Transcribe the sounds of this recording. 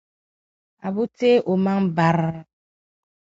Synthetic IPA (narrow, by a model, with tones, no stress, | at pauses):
a˨bu˦te˦ʔo˨ma˦ŋ˦ba˨ɾ